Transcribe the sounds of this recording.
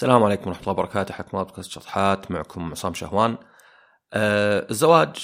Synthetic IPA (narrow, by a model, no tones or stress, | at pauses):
salaːmʕaleːkʊmwɾˤɑħmt̪lːɑːbɑɾˤɑkaːt̪ʔaħakmabd̪̚kaːst̪ʃɑt̪ˤħaːt̪maʕkʰʊmʕʊsaːmʃa̰hwaːn | ʔaɪzːawaːd͡ʒ